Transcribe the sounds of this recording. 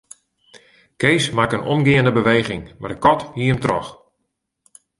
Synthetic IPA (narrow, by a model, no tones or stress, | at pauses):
keːsmakənʔɔ̰mɡɪəndəbəʋeːɣɪŋma̰rdəkɔthiəəmtrɔ̰x